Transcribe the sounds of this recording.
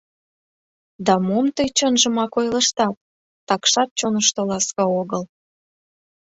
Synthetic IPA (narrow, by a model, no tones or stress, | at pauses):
d̪ɑmomt̪əjt͡ɕənʒə̆mɑkojləʃt̪ɑt̪̚ː | ɑkʃɑt̪̚t͡ɕonəʃt̪olɑskɑoɣəl